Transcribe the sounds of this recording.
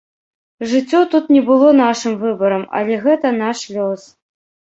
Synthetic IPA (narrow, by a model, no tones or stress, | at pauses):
ʐɨt͡sʲːɔt̪ut̪nʲɛbɨlˠɔnaʂɨmvɨbɐɾɐmɐ̰lʲɛɣɛt̪ɐnaʂlʲɔs